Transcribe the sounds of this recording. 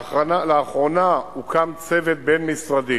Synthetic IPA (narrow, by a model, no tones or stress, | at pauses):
analeaχʁo̞naukamt͡se̞vet̪̚be̞nmisʁad̪i